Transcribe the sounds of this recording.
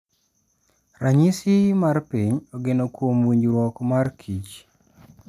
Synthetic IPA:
raɲisimarpiɲoɡenokwomwiɲd͡ʒɾwɔkmarkʰit͡ʃ

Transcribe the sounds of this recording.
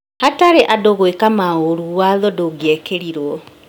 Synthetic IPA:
hataɾeʔadoɣoekamaoɾuwaðɔdoɡjɛkeɾiɾwɔ

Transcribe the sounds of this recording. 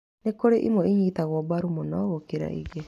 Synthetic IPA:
nekoɾeʔimɔiɲiːt̪aɣwɔbaɾumonɔɣokeɾa̰ʔḭɣe

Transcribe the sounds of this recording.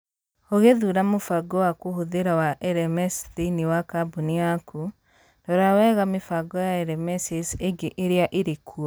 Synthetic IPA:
oɣeðuɾamofaɡɔwakohoðeɾawaʔɛɾɛmɛsðiniwakabuniaku | dɔɾawɛːɣamefaɡɔjaɛɾɛmɛsiseɡeʔeɾeaʔeɾekʰɔ

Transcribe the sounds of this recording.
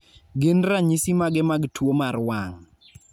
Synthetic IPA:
ɡɪnraɲisimaɡɛmaɡtʰwomarwaŋ

